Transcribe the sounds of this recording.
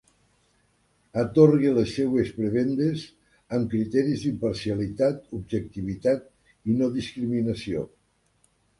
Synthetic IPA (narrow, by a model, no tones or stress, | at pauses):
ət̪orɣelesːewespɾeβend̪ez | əmkɾit̪ɛɾizd̪impəɾsialit̪at̪ubʒek̚t̪iβ̞it̪at̪ | inoðiskɾiminəsio̰